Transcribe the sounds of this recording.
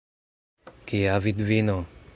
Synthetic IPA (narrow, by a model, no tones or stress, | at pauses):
kijavid̪vino